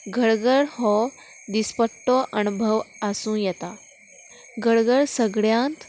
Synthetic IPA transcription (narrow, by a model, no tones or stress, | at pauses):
ɡʱəɽɡəɽhɔ | d̪ispəʈːɔʔənubʱəʋəsũːjɛt̪a | ɡʱəɽɡəɭsəɡɭjãnt̪